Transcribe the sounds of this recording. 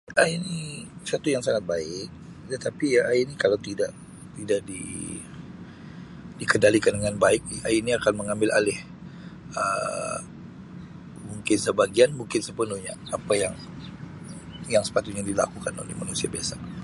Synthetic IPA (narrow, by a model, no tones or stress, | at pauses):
ainisat̪ujaŋsaŋat̪̚baɪk̚ | t̪ət̪apiainikalawt̪idaʔ | t̪idaʔdḭ | dikəndalikandəŋanbaɪk̚ainiakanməŋambɪlʔa̰lɪh | ə̰ | muŋkɪnsəbaɡianmuŋkɪnsəpənuhɲa̰apajaŋ | jaŋsə̥pat̪ʊt̪̚ɲadila̰kukano̰lehmanusiabiasa